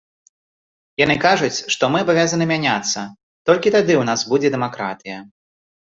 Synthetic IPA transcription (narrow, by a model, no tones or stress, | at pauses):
janɨkaʐut͡sʲʂt̪ɔmɨɐbavʲazɐnɨmʲanʲat̪sːɐ | t̪ɔlʲkʲit̪ad̪ɨwnasbud͡zʲɛd̪ɛmakɾa̰t̪ɨjɐ